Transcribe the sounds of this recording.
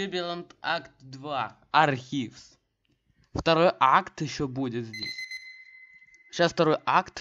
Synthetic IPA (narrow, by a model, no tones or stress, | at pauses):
ebʲɪlˠənt̪akt̪d̪va | ɐrxʲifs | ft̪ɐɾojʔakt̪jɪɕːobudʲɪt̪zʲdʲḛsʲ | ɕasft̪ɐɾo̞jʔakt̪